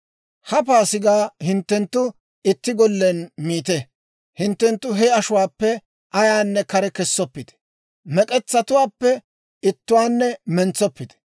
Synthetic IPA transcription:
hɐp̬aːsɪɡaːhɪnt̪ːɛnt̪ːʊ | ɪt̪ːɪɡɔlːɛnmiːt̪ɛ | hɪnt̪ːɛnt̪ːʊɦɛɐʃʊwaːpːɛ | ʔɐjaːnːɛkɐɾɛkɛsːɔpːɪd̪ɛ̥ | mɛkʼɛt͡sːɐt̪ʊwaːpːɛ | ɪt̪ːʊwaːnːɛmɛnt͡sːɔpːɪd̪ɛ̥

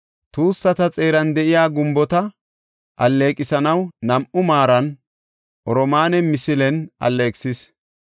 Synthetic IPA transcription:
t̪uːsːɐt̪ɐt͡sʼe̞ːɾɐnd̪ɛʔɪjaːɡʊmbɔt̪ɐ | ʔɐlːe̞ːkʼɪsɐnɐwnɐmʔʊmaːɾɐn | ʔɔɾɔmaːnɛmɪsɪlɛnʔɐ̰lːeːksɪs

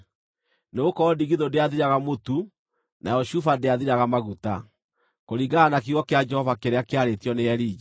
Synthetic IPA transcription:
neokɔːdiɣiðondeaðiɾaɣamotu | najɔʃufadeaðiɾaɣamaɣuta | koɾiɡaanakiɣɔkead͡ʒɛhɔvakeɾeakeaɾetjɔneɛɾiːd͡ʒa

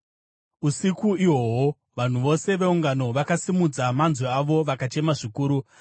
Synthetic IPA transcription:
usikuiwowo | ʋan̤uʋo̞se̞ʋe̞uŋɡano̞ʋakasimud͡zamanzweaʋo̞ʋakat͡ʃe̞maʐikuːɾu

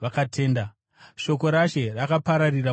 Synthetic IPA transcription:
akatʰe̞ːnda | ʃo̞ko̞ɾaʃe̞rakapaɾarira

